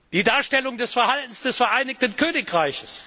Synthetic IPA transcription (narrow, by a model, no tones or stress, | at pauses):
d̥iːdaːɐʃtɛlʊŋdɛsfɛɐhaltn̩sd̥ɛsfɛɐʔaɪnɪk̚tn̩kʰøːnɪkʁaɪçəs